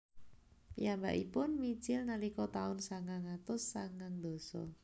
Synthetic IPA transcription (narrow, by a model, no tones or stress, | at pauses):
pijamba̰ʔipʊnmi̥d͡ʒɪlnalikɔt̪aʊnsaŋaŋat̪ʊsːaŋaŋd̪̥o̤sɔ̰